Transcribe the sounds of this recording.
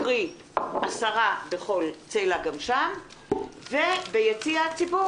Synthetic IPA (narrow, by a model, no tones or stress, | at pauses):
ʁi | asaʁabeχo̞lt͡sejlaɡamʃam | vebejet͡siat͡sibu